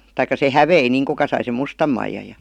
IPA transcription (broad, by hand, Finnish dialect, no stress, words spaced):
tɑikːɑ se hæʋei niːŋ kukɑ sɑi sem mustɑm mɑijɑj jɑ